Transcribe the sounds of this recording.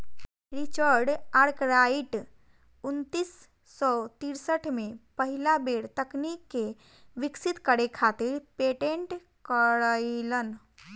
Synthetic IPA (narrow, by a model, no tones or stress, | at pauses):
ɾit͡ʃəɾɖaɾkɾaiʈ | ʊnt̪iːsː | ɔt̪iɾsəʈʰmẽpəɦɪlabeːɽt̪əknikːe | ʋɪksɪt̪kəɽekʰaːt̪iɾpeːʈẽɳʈ | kəɽəɪlən